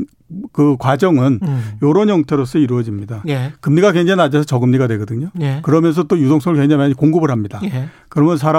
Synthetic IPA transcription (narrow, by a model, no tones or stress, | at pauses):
kɯkwad͡ʑʌŋɯnjoɾonjʌŋtʰeɾos͈ʌiɾuʌd͡ʑimɲidaekɯmɲiɡakweŋd͡ʑaiad͡ʑesʰʌt͡ɕʌɡɯmɲiɡadwe̞ɡʌdɯɲojekɯɾʌmjʌns̬ʰʌt͈ojudoŋsʰʌŋɯɭkweŋd͡ʑaŋiaɲikoŋɡɯbɯɾɦamɲida | kɯɾʌmjʌns̬ʰaɾa